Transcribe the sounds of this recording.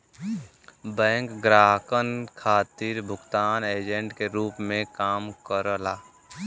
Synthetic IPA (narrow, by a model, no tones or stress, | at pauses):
bɛ̃ːŋkɡɾaːɦkənkʰaːt̪iːɾbʱʊɡt̪aːneːd͡ʒə̃ɳʈkeɾuːpmẽkaːmkəɾlaː